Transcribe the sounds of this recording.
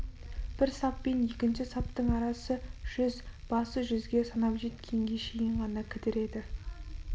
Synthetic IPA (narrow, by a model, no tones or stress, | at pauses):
b̥ɪɾsɑpːe̞nje̞kʲɪnʃɪsɑpt̪əɴɑɾɑsəʒ̥ʏzb̥ɑsəʒʏzɡʲe̞sɑnɑpʒe̞t̪̚kʲʰe̞ŋɡʲe̞ʃejɪɴʁɑnɑkʲʰɪt̪ɪɾe̞d̪ɪ